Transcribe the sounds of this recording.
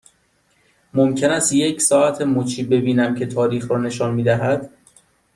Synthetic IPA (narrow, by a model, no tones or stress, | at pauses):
momcʰe̞næst̪je̞cʰsɒːæt̪ʰe̞mot͡ʃʰiːbe̞biːnæmcʰe̞t̪ʰɒːɾiːxɾɒːne̞ʃɒːnmiːd̪æɦæd̪̥